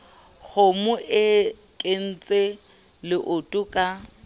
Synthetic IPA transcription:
ɣʊmʊʔɪ | kʼen̩t͡sʼe | lɪʔʊtʼʊkʼa

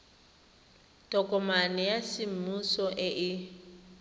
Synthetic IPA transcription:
tʼɔkʼɔmanɛjasɪm̩musɔʔɪʔɪ

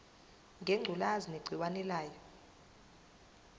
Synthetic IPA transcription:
ŋɡʱeŋ͡ǀʱulazineɡ͡ǀʱiwanɛlaːjɔ

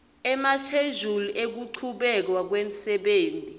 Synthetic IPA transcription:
ɛmat͡ʃʰeʒulɔʔek̬uǀʰuɓɛk̬wak̬wem̩sɛɓeːntʼi

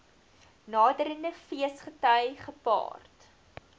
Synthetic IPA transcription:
nɑːdəɾəndəfiəsχətœjχəpɑ̰ːrt

